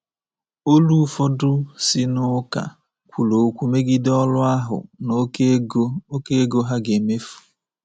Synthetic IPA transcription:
o˦lu˦fɔ˦dʊ˦sɪ˦nʊ˦ka̰˨ | kʷu˨lo˨˦kʷu˦me˦ɡi˦dɔ˦lʊ˦a˦ɦʊ̰˨no˦o˦ke˦e˦ɡo˦ɦa˦ɡe˨me˦fu̥˨

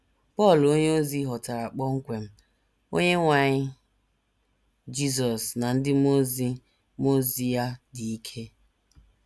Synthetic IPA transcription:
pɔ˦˨lo˦ɲe˦o˦zi˦ɦɔ˨ta˨ɾa˨k͡pɔ˦ŋ̩˦kʷe˨m̩˦ | o̰˦ɲe˦ŋʷa˨ɲɪ˦ | d͡ʒi˦s̬ɔ˨sna˨n̩˦dɪ˦mo˦zi˦ | mo˦zi˦ja˦di˨i˦kʰe˦

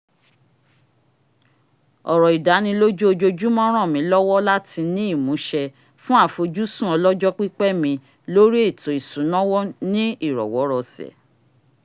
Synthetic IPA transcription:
ɔ˨ɾɔ˨i˨da˨˦nĩ˧lo˦d͡ʒu˦o˧d͡ʒo˧d͡ʒu˦mɔ̃˦ɾ̃ɔ̃˦˨mĩ˨˦lɔ˦wɔ˦la˦ti˧nĩ˦i˦˨mũ˨˦ʃɛ˧ | fũ˦a˦˨fo˧d͡ʒu˦sũ˦ɔ˧lɔ˦d͡ʒɔ˦k͡pi˦k͡pɛ˦mĩ˧ | lo˦ɾi˦e˦˨to˨i˨sũ˨˦nɔ̃˦wɔ˦nĩ˦i˦˨ɾɔ̰˨wɔ˨˦ɾɔ˧sɛ̰˨

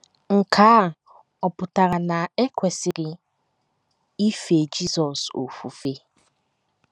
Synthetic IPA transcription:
ŋ̩˨kʰa˨˦˨ | ɔ˨pʊ˨ta˨ɾa˨na˨e˦kʷe˨sɪ˨ɾɪ˨ | i˦fe˨d͡ʒi˦sɔ˨so̰˨fṵ˨fe˦

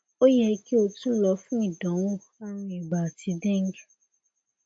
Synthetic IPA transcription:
o˦jɛ˧ki˦o˧tũ˦lɔ˧˦fũ˦i˦˨dɔ̃˨˦wo˦˨ | a˦ɾ̃ũ˧˦i˨ɡ͡ba˨ti˧˦bɛ̃˦ŋ˦ɡ

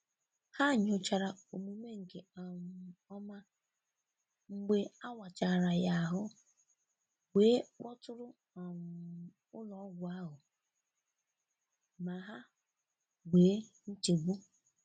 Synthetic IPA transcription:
ha˦˨ɲ˦ʊ˨t͡ʃa˨ɾa˨o˨mu˨me˦ŋ̩˨ke˨a˨ɔ˦ma˦ | ŋ͡m̩˦ɡ͡be˦a˦wa˨t͡ʃa˨ɾa˨ja˦a˨ɦʊ˦ | weː˨˦wɔ˦tʊ˦ɾʊ˦ | a˨ŋ˨ | ʊ˦lɔ˦ɡʷʊ˨a˦ɦʊ˨ | ma˨ɦa˦ | wʷeː˨˦n̩˦t͡ʃe˨bu˦

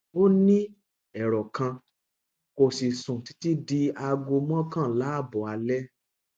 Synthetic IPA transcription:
o˦nĩ˦ | ɛ˨ɾɔ˨kʰã˧ | ko˨si˨sũ˨ti˧˦ti˦di˧a˧ɡo˧mɔ̃˦kã˦˨la˨˦a˦˨bɔ˨a˧lɛ˦

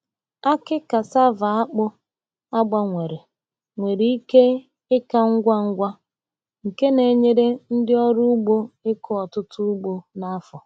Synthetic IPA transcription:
a˦kɪ˦ka˨sa˦va˨a˦k͡pʊ˦ | a˦ɡ͡ba˨ŋʷe˨ɾe˨ | ŋʷe˨ɾi˦i˦ke˦ | ɪ˦ka˦ŋ̩˦ɡʷa˦ŋ̩˦ɡʷa˦ | ŋ̩˨ke˦ne˨ɲe˦ɾe˦n̩˦dɪ˦ɔ˦ɾʊ˦ʊ˦ɡ͡bo˦ɪ˦kɔ˦ɔ˨tʊ˦tʊ˦ʊ˦ɡ͡bo˦na˦fɔ˨

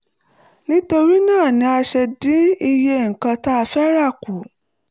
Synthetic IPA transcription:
nĩ˦to˧ɾi˦nãː˦˨nĩ˧a˧ʃɛ˧dĩ˦i˧je˧ŋ̩˨kã˧ta˦a˧fɛ˦ɾa˦˨ku˨˦

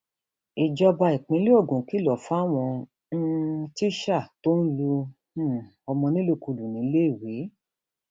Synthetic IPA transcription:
i˨d͡ʒɔ˧ba˧i˨k͡pĩ˨˦li˦o˦˨ɡũ˨ki˦lɔ˨fa˦˨w̃ɔ̃˧ | n̩˦t͡ʃi˦ʃa˦˨to˦n̩˦lu˧˦˨ | ɔ˧mɔ̃˧nĩ˦lu˦˨ku˧lu˨nĩ˨˦le˦i˦˨we˨˦

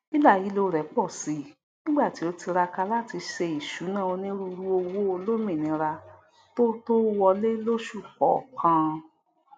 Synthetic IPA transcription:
i˦la˦˨ji˨˦lo˧ɾɛ˨˦k͡pɔ˦˨si˨˦˨ | nĩ˦ɡ͡ba˦˨ti˨˦o˧ti˧ɾa˧ka˧la˦ti˧ʃɛ˧i˨ʃu˨˦nã˦˨o˧nĩ˦ɾu˦˧ɾu˦o˧wo˦o˧lo˦mĩ˦˨nĩ˨˧ɾa˧ | to˦to˦wɔ˧le˦lo˦ʃu˦˨k͡pɔ˨kʰã˧

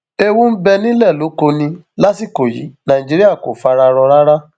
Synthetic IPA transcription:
e˦wũ˦m̩˦bɛ˧nĩ˦lɛ˦˨lo˨˦ko˧nĩ˧la˦si˦˨ko˨jḭ˨˦nã˨ĩ˨d͡ʒi˦ɾi˦a˦˨ko̰˨fa˧˦˧ɾa˧ɾɔ˧ɾa˦ɾa˦

